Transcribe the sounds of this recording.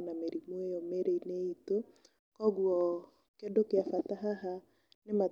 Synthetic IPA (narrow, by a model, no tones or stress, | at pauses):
nameɾimwejɔmeɾeineito | kɔɡwɔ | kendokeafataɦaɦa | nema